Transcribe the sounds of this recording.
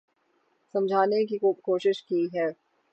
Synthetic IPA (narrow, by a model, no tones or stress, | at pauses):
sɐ̃md͡ʒʱaːnek̬ikokoːʃɪʃkiɦɛː